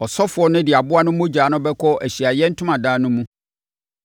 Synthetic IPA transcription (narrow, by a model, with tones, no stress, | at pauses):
ɔ˨sɔ˦fʊ˨˦ɔ˦nʊ̃˦dɪ˨a˨bʊ˦a˦nʊ̃˦mʊ̃˦d͡ʑaː˨˦nʊ̃˦bɛ˦kʰɔ˦ʔæ˨ɕi˨a˨jɛ˦n̩˦tʰʊ̃˦mã˨daː˦nʊ̃˦mũ˦